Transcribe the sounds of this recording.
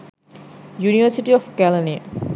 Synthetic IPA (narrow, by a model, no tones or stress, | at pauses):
juniʋɐɾsiʈiɔfkɛlani